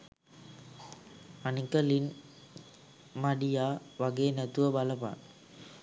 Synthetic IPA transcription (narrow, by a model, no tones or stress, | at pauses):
ɐnikɐlin | mɐɖijaːʋɐɡeːnɐt̪uʋəbɐlɐpa̰ːn